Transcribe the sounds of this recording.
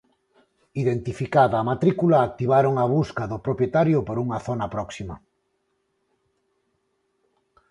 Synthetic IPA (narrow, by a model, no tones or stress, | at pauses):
iðent̪ifikaðɐːmat̪ɾikulaːk̚t̪iβ̞aɾoŋɐβ̞uskaðʊpɾopjet̪aɾjʊpoɾuŋɐθonɐpɾɔksimɐ̰